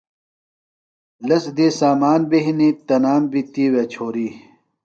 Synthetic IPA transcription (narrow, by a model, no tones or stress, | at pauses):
lɐsd̪eːsaːmaːnbeɦinit̪ɐnaːmbit̪iːwet͡ɕʰoːɾiː